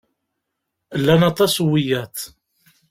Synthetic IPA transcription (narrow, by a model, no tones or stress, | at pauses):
lːænɑt̪ˤɑswijæθ